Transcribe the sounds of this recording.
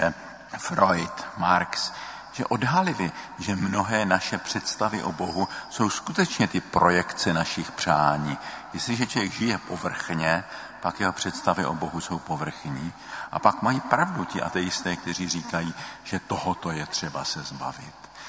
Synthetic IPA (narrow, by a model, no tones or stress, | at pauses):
ɛ | fɾojt̪maɾks | ʒɛ̰ʔo̞dɦalɪvɪʒɛmno̞ɦɛːnaʃɛpr̝̥ɛt̪st̪avɪʔobo̞ɦuso̞wskut̪ɛt͡ʃɲɛt̪ɪpɾo̞jɛkt͡sɛnaʃɪxpr̝̥aːɲiːjɛst̪lɪʒɛt͡ʃovjɛɡʒɪjɛpovr̩xɲɛ | pakjɛɦopr̝̥ɛt̪st̪avɪʔobo̞ɦuso̞wpo̞vr̩xɲiː | ʔa̰pakmajiːpɾavduc̪ɪʔa̰t̪ɛjɪst̪ɛːk̚t̪ɛriːriːkajiːʒ̥ɛt̪oɦot̪o̞jɛt̪r̝̥ɛbasɛzba̰vɪ̰t̪